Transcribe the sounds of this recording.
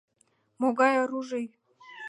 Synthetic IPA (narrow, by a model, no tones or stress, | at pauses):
moɡɑjaɾuʒɤj